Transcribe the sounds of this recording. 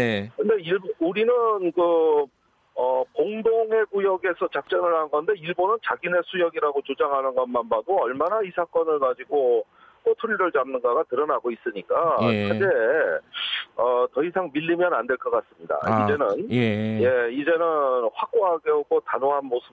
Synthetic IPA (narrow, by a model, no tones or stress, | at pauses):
kɯnde̞iuɾinɯnkɯ | ʌkoŋdoŋe̞kujʌɡe̞sʰʌt͡ɕak̚t͡ɕ͈ʌnɯɭɦanɯnɡʌnde̞iɭbonɯnt͡ɕaɡine̞sʰujʌɡiɾaɡot͡ɕod͡ʑaŋɦanɯnɡʌnmanbadoʌɭmanaisʰak͈ʌnɯɭkad͡ʑiɡo | k͈otʰuɾiɾɯɭd͡ʑamnɯnɡaɡatɯɾʌnaɡois͈ɯɲik͈akʰad͡ʑe̞ | ʌtʌisʰaŋmiʎːimjʌnandwe̞ɭk͈ʌk͈as͈ɯmɲida̰id͡ʑe̞nɯnjje̞id͡ʑenɯnɸwak͈oɦaɡʌɡotanoɦanmosʰɯ